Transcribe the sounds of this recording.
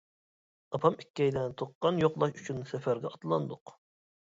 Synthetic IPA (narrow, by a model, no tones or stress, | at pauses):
ɑpʰɑmikʲːɛjd̪ɛnt̪ʰoqːɑnjoqlˠɑʃyt͡ʃʰynsɛfæɾɡʲɛɑt̪lˠɑnd̪ʊq